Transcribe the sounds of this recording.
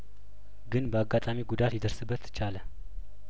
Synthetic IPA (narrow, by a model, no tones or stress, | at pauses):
ɡɨnbəaɡːat̪ʼamiɡud̪at̪jɛd̪əɾsɨbːət̪ːɨ̥t͡ʃalə